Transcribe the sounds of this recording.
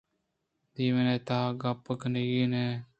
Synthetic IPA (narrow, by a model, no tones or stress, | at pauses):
d̪iːmeneːt̪aːɡapːəkniɡiːneː